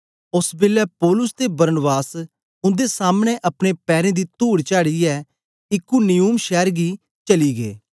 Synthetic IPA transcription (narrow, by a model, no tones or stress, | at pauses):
ʊsbɪlːɛːpɔːlʊst̪ebəɾnbaːs | ʊ̃nd̪eːsaːmñẽʔəpɽ̃eːpɛːɾẽːd̪iːt̪uːɽt͡ʃaːɽiːɛː | ɪkːunɪjuːmʃɛːɾɡiː | t͡ʃəliːɡḛː